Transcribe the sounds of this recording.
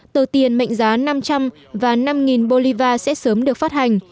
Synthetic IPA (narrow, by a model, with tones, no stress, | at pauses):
t̪oː˧˩t̪i˨˩ənmə̰˧˨ŋzaː˨˦na˧mt͡ɕa˧m | vaː˨˩na˧mŋi˨˩nɓo˧li˧vaː˧sɛ̰˧˥səː˨˦mɗɨ˨˩ək̚faː˦˥t̚ha˨˩ŋ̟